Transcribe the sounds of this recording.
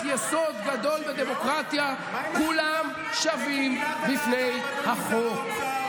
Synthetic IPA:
jeso̞d̪ɡad̪o̞lbed̪e̞mo̞kʁat̪ja | kulam | ʃavimbifne̞j | haχok

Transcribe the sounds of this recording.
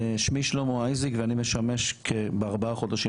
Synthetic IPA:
eʃmiʃlomoajzikveanimeʃame̞ʃkʰebeaʁbaaχod̪aʃi

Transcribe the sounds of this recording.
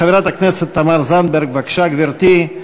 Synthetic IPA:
aveɾat̪aknɛset̪ːamaɾzanbeɾɡvakʃaɡviɾt̪i

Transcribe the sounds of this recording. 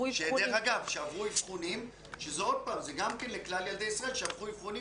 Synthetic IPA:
ʃedeaɡavʃeavʁuifχonim | ʃezeod̥̪̚paːmzeɡamkenleklaljald̪ejisʁeelʃeavʁuifχoni

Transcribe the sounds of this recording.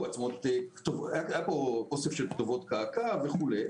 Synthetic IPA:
at͡smot̪ekt̪ovajaajapoʔosefʃelkt̪ovot̪kakaveχule

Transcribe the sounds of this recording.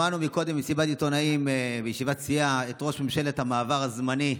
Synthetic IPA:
anumiko̞d̪emisibat̪it̪onaimbejeʃivatt͡siaet̪ʁo̞ʃmemʃe̞le̞thamaːvaʁazmani

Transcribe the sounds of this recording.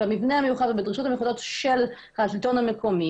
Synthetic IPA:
amivnehamejuχadbedʁiʃo̞t̪hameχudo̞t̪ʃel | haʃilt̪o̞nhameko̞mi

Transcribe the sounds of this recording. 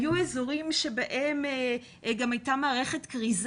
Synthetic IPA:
juezo̞ʁimʃe̞baʔe̞m | ɡamajtamaːʁe̞χe̞tkʁiz

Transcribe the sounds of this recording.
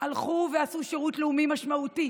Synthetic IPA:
alχuveasuʃeʁutleumimaʃmauti

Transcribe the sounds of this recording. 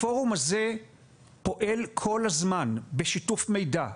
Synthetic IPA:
fo̞ʁumaze | po̞ʔe̞lkʰo̞lhazmanbe̞ʃitufme̞jda

